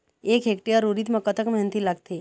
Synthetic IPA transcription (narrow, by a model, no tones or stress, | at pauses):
ekɦekʈiəɾuɾiːt̪məkət̪əkmɦent̪ʰilaɡt̪e